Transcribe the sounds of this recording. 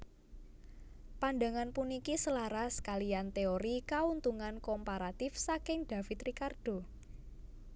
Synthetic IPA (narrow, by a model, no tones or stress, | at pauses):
panɖa̤ŋanpunikisəlaɾaskalijant̪eoɾikaunt̪uŋankɔmpaɾat̪ɪfsakɪŋd̪̥a̤fit̪ɾikard̥o̤